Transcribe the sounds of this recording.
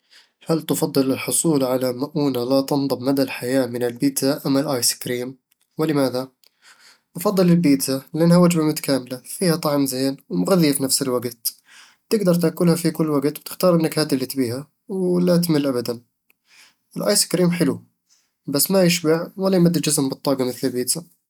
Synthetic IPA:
halt̪ɨfɑd̪ˤːɨlɪlħʊsˤuːlʕalamaʔuːnalat̪ɑnd̪ˤɑbmad̪alħajaːmɪnɪlbiːt̪zaʔamːalʔaːjsɪ̥kɾiːm | wɪlɪmaːða | ʔɑfɑd̪ˤːɨlɪlbiːt̪zalɪʔanːhawad͡ʒbamʊt̪ḁkaːmɪlafiːhat̪ˤɑʕmzeːnwmʊɣaðijafinafsɪlwaɡt̪ | t̪ɪɡd̪ɑɾˤt̪akʊlhafikʊlːwaɡt̪wt̪ɪ̥xt̪ɑːɾˤʔɪnːakhaːd̪ɪlːit̪biːha | wlat̪mɪlʔabad̪an | ʔɪlʔa̰ːjsɪ̥kɾiːmħɪlu | basːmajɪʃbaʕwalːajmad̪ːid͡ʒɪzmbɨt̪ˤːɑːɡamɪθlɪlbiːd̪za

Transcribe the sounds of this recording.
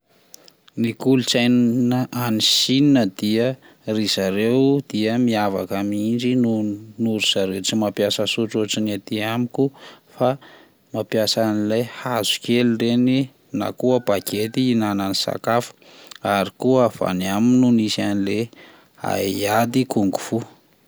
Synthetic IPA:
nikulut͡sajnnəʔanisininəd̪iə | rizaɾewd̪̥iəmiava̰kamind͡ʒinunuɾuz̥aɾeʈ͡ʂimapjasəsuʈ͡ʂoʈ͡ʂinat̪iamiku | fa | mapjasanilajhazu̥kʲelireni | na̰kuəbaɡet̪iːnananisa̰kafə̥ | aɾikuəv̥a̰niaminunisanile | a̰iad̪ikuŋɡuv̥u

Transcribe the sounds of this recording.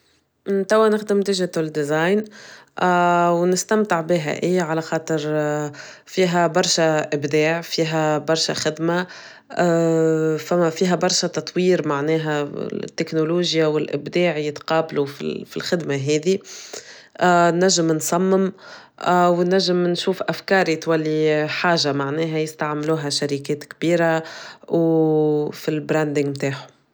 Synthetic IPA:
t̪æwːænɪxd̪ɪmt̪ɪʒɪt̪ʊld̪izaːjn | wnɪst̪amt̪ɪʕbɪɦæ̰ʔɪjːʕalæxɑːt̪ˤəɾ | fiːɦæbɑɾˤʃaʔɪbd̪ɛːʕfiːɦæbɑɾˤʃa̰xɪd̪ma | fæfiːɦæbɑɾˤʃat̪ɑt̪ˤwiːɾmaʕnɛːɦæ̰t̪ːɪknʊluːʒjawɪlʔɪbd̪ɛːʕjɪt̪qɑːblufḭfilxɪd̪maɦɛːði | nːæʒːɪmnsˤɑmːɪm | wnːæʒːɪmnʃuːfʔafkɑːɾit̪wælːiħaːʒamaʕnɛːɦæjɪst̪aʕmluːɦaʃaɾikɛːt̪kbiːɾaw | filbɾænd̪ɪŋɡmt̪aːħʊ̥

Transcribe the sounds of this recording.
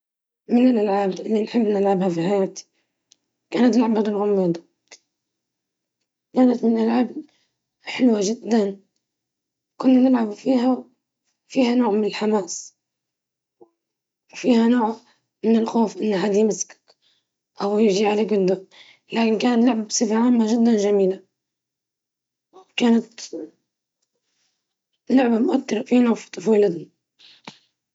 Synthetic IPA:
mɪnɪlʔalʕaːbʔɪlːinħɪbːnɪlʕabhafiħajaːt̪i̥ | kaːnat̪laʕabat̪ɪlɣʊmːiːd̪ˤɑ | kaːnat̪mɪnʔalʕab | ħɪlwaʒɪd̪ːan | kʊnːanɪlʕabfiːha | fiːhanoːʕmɪnɪlħamaːs | wfiːhanoːʕ | mɪnɪlxoːfʔɪnːɦaːd̪ijmɪsk | ʔawjɪʒiʕaleːɡɪnd̪ʊ | laːkɪnkaːnlːʊʕbsɪfʕaːmːaʒɪd̪ːanʒamiːla | kaːnat̪ | lʊʕbamʊʔat̪ːɑɾfiːnaft̪ˤːɨfuːlad̪ni

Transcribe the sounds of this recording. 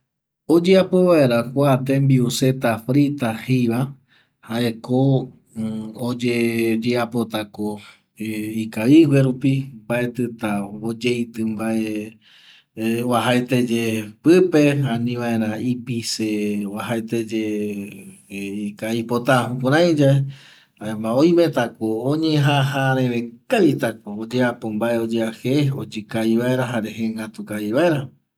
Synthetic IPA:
od͡ʒeapeβaeɾakʷat̪ẽmbiuse̞t̪afɾit̪ahiβa | haʔe̞ko | od͡ʒed͡ʒeapo̞t̪ako | ikaiweɾupimbaʔe̞t̪ɨt̪aod͡ʒejt̪ɨmbae | waɦaet̪ed͡ʒepɨpe̞anĩʋae̞ɾ̃ãipiseβaɦaet̪ed͡ʒe | ikaipo̞t̪apoɾ̃ãj̃d͡ʒae | aemãoj̃mẽ̞t̪akoõɲẽɦaɦaɾẽɾe̞kaʋit̪akoːd͡ʒeapombaeod͡ʒeaheod͡ʒɨkaβiβaeɾaɦaɾeɦeŋɡat̪ukaiβaeɾa

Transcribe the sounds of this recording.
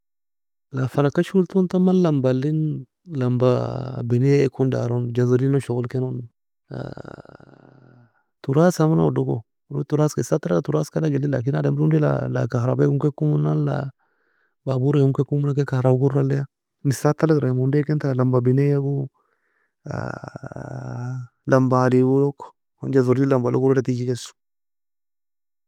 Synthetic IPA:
lafanakːaʃult̪ont̪amanlɐmbalːin | lambabɪnekʰːunda̰ɾond͡ʒazalinoʃɔɡɔlkenon | a̰ | t̪uɾasamana̰ɔdoko̰ | ɾut̪uɾaːskesat̪ːalɡat̪uɾaskalaɡelːila̰k̬inadamdundɛla̰la̰kahɾa̰bakuŋkekːumunanla̰ | babuɾeuŋkɛkːumunakɛkaɾaɡuɾalɛa | nisat̪ːalakɾamundɛkɛnt̪aalambabinɛjaɡu | a̰ | lambalibulɔkːɔ̥ | hɔnd͡ʒazɔɾd͡ʒilambaloɡuɾɔɾatikikɛsu̥

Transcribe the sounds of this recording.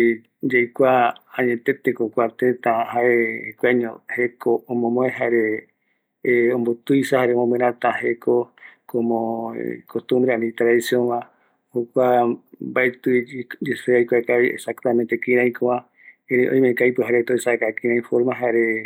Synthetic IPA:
d͡ʒajkʷaãɲẽt̪et̪ekokʷat̪ẽt̪ãɦaʔekʷaɲõ̰hekoõmõmõẽɦaeɾe | õmbot̪ɨjsahaɾemõmẽɾãt̪ãhekokomõ̰kost̪ũmbɾeãnĩt̪ɾaðisjõnβã | hokʷabaet̪ɨd͡ʒeseajkʷakaβiʔḛsakt̪amẽnt̪ekĩɾãj̃koã | ẽɾeʔõ̰ĩmẽkajpɨɦaɾet̪oesakakĩɾãĩfoɾmãɦaeɾe

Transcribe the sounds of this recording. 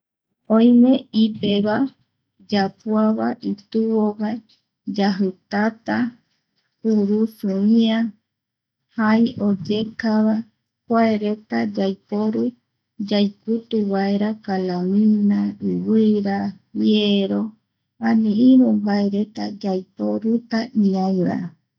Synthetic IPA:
õj̃mẽipeβa | d͡ʒapuaβaʔit̪ɨβowae | d͡ʒaɦɨt̪at̪a | uɾusɨĩã | hajod͡ʒekaβa | kʷaeɾe̞t̪ad͡ʒajpoɾu | d͡ʒajput̪uwaeɾakalamĩnaɨwɨɾa | βjeɾo | ãnĩĩɾumbaeɾe̞t̪ad͡ʒajpoɾut̪aʔĩãj̃ɾa̰

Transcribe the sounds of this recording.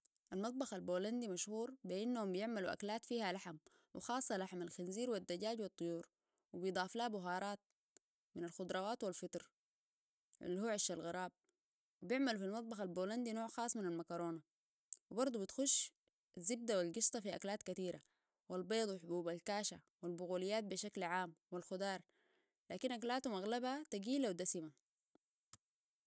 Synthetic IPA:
ʔalmɑt̪ˤbɑxalboːland̪imaʃhuːɾbiʔinːahumbijɪʕmaluʔa̰klaːt̪fiːhalaħam | wḭxɑːsˤːɑlaħmalxɪnziːɾwid̪ːaɟaːɟwɑt̪ˤːʊjuːɾ | wibijd̪ˤɑːflaːbʊɦɑːɾˤɑːt̪̚ | minalxʊd̪ˤɾˤɑwaːt̪walfit̪ɾ | ʔlːihuːʕaʃːalɣɑɾˤɑːb̚ | wibjɪʕmalfilmɑt̪̚ˤbɑxalboːland̪inoːʕxɑːsˤːminalmakɑɾˤoːna | wibɑɾˤd̪ˤubit̪xuʃː | azːib̚d̪awilɡɪʃt̪ˤɑfiʔa̰klaːt̪kat̪iːɾa̰ | wilbeːd̪ˤwiħʊbuːbalkaːʃa | wilbʊɣuːlijːaːt̪̚biʃaklʕaːmwilxʊd̪ɑːɾˤ | laːkinʔaklaːt̪umaɣlabat̪aɡiːlawd̪asima

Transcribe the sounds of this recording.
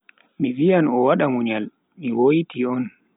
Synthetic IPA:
mivijanɔwaɗamuɲal | miwojtiɔn

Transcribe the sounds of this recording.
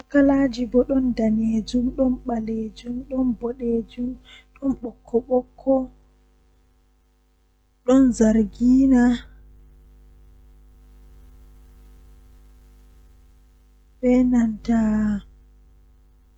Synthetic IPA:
akːalaːd͡ʒibɔɗɔndaned͡ʒumɗɔnɓaled͡ʒumɗɔnbɔɗeːd͡ʒumɗɔnɓɔkʰːɔɓɔkʰːɔ | ɗɔnzaɾɡiːna | ɓɛnantaː

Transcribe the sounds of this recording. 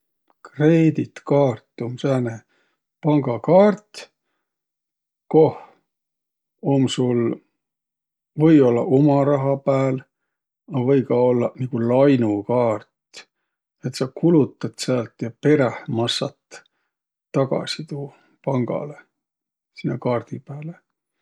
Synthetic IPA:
kreːd̪it̪kɑːrt̪ːˑomsæːne | pɑŋɡ̥ɑkɑːrt̪ | ko̞h | omsul | vɤ̞jo̞lːɑ̰ʔomɑɾɑɦɑpæːl | ɑvɤjkɑo̞lːɑnikulɑjnukɑːrt̪ | et̪sɑkulut̪ːˑɑt̪sæːlt̪jɑpe̞ɾehmɑsːɑt̪ː | ɑɡɑ̰sit̪uː | pɑŋɡ̥ɑ̰le | sinːekɑːrd̪̥ipæːle

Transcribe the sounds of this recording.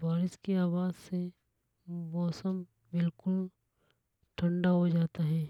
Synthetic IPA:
ʋaːɾɪskeaːwaːzse | mɔːsəm | bɪlkʊl | ʈʰə̃ɳɖaɦod͡ʒaːt̪aɦɛ̃ː

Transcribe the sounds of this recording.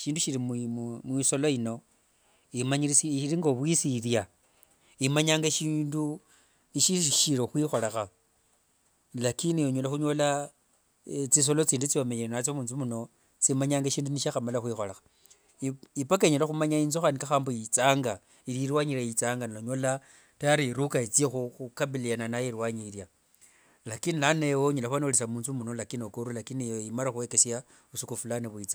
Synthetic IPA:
ʃiːnduʃiɾimmwiso̞loino̞ | imaɲiɾisʃiɾiŋɡoβwisiɾja | imaɲaːŋɡaʃiːndu | niʃisʃiɾoxwiːxo̞lexa | lakinijoɲolaxuɲo̞la | t͡sis̬o̞lot͡siːndut͡sio̞meɲeinat͡somuːnzumuno̞ | t͡simaɲaːŋɡaʃiːnduniʃaxamalaxwixo̞lexḁ | ipakaɲolaxumaɲainzoxanikaxaːmbojit͡saːŋɡa | iɾiɾwaɲiɾajit͡saːŋɡaniloɲola | taɾiiɾukait͡sijexuxukaβilijananajiɾwaɲiɾja | lakinilanewoɲolaxwanolesamuːnzumunolakinokoɾulakinijoimalaxuwekesja | βusukufulaneβuit͡sa

